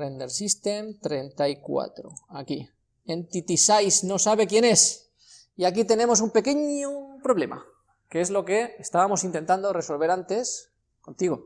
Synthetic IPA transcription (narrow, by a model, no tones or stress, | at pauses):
end̪eɾsist̪emt̪ɾe̞nt̪aikwa̰t̪ɾo̰aki | ent̪it̪isajsno̞saβ̞ekje̞ne̞s | iakit̪e̞nẽ̞mo̞s̬umpe̞ke̞ɲopɾo̞β̞le̞ma̰ | keezlo̞ke̞ːst̪aβamosint̪ent̪and̪ore̞so̞lβ̞e̞ɾant̪e̞s | ko̞nt̪iɣo